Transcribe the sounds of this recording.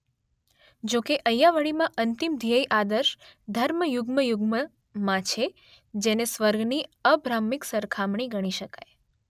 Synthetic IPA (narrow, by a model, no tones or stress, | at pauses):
d͡ʒokeʔəjaʋəɭimãʔənt̪imd̪ʱijəjʔad̪əɾʃd̪ʱəɾməjʊɡməjʊɡmə | mãt͡ʃʰe | d͡ʒenesʋəɾɡʱniəbɾamːiksəɾkʰamɳ̃iɡəɽ̃iʃəkaj